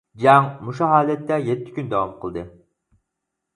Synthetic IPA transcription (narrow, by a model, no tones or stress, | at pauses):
d͡ʒɑŋmuʃuɦɑːlɛt̪ʰːɛjɛt̪ʰːɪ̥kʲynd̪ɛwɑmqʰəlˠd̪ɨ